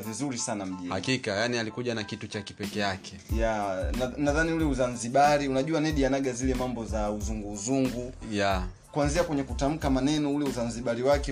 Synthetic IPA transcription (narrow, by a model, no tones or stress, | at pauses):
vizuɾisanam̩ɗihakikajanialikuʄanakitut͡ʃaki̥pɛkɛjakʰɛjananaðaniulɛuzanziɓaɾiunaʄuanɛɗianaɡazilɛmambɔzauzuŋɡuːzuŋɡuja | kuanziakwɛɲɛkutam̩kamanɛnɔulɛuzanziɓaɾiwakɛ